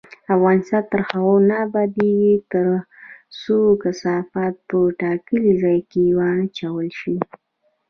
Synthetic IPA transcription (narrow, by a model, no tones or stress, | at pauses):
afɣɑnɪst̪ɑnt̪əɾxawanabad̪eɡit̪əɾ | sokasɑfat̪̚pəʈɑkəlizɑjkewɑnt͡ʃawəlʃi